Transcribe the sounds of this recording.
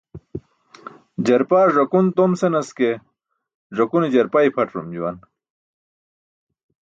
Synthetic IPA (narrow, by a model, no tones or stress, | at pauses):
d͡ʑɐɾpaːʐɐkunt̪omsenɐske | ʐɐkunid͡ʑɐɾpaipʰɐʈɾṵmd͡ʑuwɐn